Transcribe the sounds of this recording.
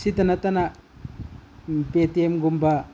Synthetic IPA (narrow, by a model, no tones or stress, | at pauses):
sitanatana | petiemɡumba